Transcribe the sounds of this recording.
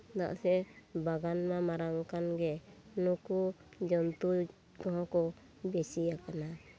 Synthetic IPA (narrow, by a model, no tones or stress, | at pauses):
d̪a̰ʔsɛbaɡanmamaɾaŋkanɡɛnukud͡ʒɔnt̪u | kɔɦɔ̃kɔ | bɛsijakana